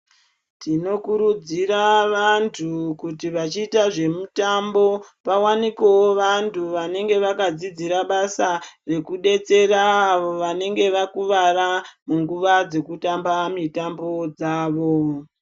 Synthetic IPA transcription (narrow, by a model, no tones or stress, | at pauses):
tino̞kuɾud͡ziɾaʋantʰukutiʋat͡ʃiːtaʐe̞mutambo̞ | pawanikewoʋantʰuʋane̞ŋɡe̞ʋakad͡zid͡ziɾaɓasare̞kuɗe̞t͡se̞raːʋo̞ʋane̞ŋɡe̞ʋakuʋaramuŋɡuʋad͡ze̞kutambamitambo̞d͡zaːʋo̞